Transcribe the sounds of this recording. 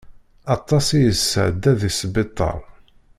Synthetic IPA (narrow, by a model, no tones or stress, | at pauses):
ɑt̪ˤːɑsijəsːə̰ʕd̪æðisbɪt̪ˤːɑ̰ɾˤ